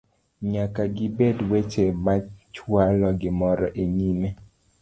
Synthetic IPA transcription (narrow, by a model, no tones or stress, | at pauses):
ɲakaɡɪbedwɛt͡ʃemat͡ʃwalɔɡɪmɔɾɔʔeɲime